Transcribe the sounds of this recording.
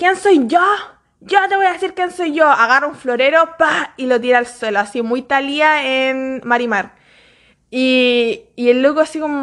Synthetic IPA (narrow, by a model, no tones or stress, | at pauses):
kjensojʝo | ɟ͡ʝot̪eβo̞jaðesiɾkjenso̞jʝoaɣarouɱfloɾeɾopailot̪̬iɾaːlsweloasimujt̪aliaenmaɾimaɾ | iː | elːukoasikomo